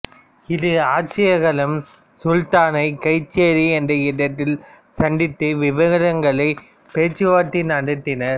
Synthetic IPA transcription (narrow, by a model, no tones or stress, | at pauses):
ɪðɯaːt͡ʃːɪjɐɣɐɭɐm | sʊlt̪aːnɐɪkɐɪt͡ʃːeːɾiɛndrɐɪɽɐt̪ːɪl | sɐɳɖɪt̪ːɯʋɪʋɐɣɐɾɐŋɡɐɭɐɪ | peːt͡ʃːɯʋaːt̪ːɪnɐɽɯt̪ːɪnɐɾ